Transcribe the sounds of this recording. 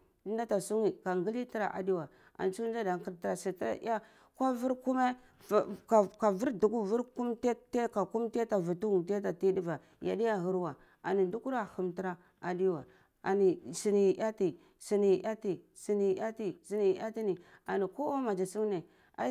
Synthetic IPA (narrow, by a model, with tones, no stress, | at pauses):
di˦na˦ta˨su˦ŋi˨ka˨ŋɡi˦li˦ti˦ɾa̰˨ʔa̰˨di˦wa˨ | a̰˨nt͡ʃu˦d͡ʒa˦da˨ŋ˨ki˨ɾtɾa˨si˨tɾ̰ja˦ | kʷa˦vi˦ɾku˦me˦˨ | ka˨ka˨vi˦ɾdu˨ɡu˦vu˦ɾku˦mte˦te˦ka˨ku˦mte˦ta˨vu˨tu˦u˨tta˨ti˦di˦va˨ | ja̰˨di˦ja˦˨ɦu˦ɾwa˨ | a̰˨ni˨du˦ku˦ɾa˨xu˨mti˦ɾa˦ | a˨di˦wa˨ | a̰˨ni˨si˨ni˨ʔa˦ti˨ | si˨ni˨a˦ti˨ | si˨ni˨a˦ti˨si˦ni˨a̰˦ti˦ni˨a˨ni˨ko˦o˦ma˨d͡ʒa˨su˦ŋ˦ne˨ | a̰˨˦